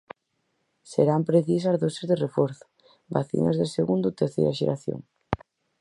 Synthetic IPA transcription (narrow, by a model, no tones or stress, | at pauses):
seɾampɾeθisɐzðosezðerefɔɾθʊ̥ | baθḭnɐ̰zðeseɣund̪ʊt̪eɾθḛjɾɐʃḛɾaθjo̰ŋ